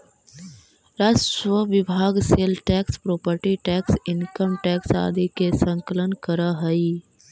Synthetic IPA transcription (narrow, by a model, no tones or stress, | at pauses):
ɾaːsʈʋəʋɪbʱaːɡseːlʈɛːkspɾoːpəɾʈiʈɛːksɪnkəmʈɛːksa̰ːd̪ʱikesə̃ŋkələnkəɾaɦəi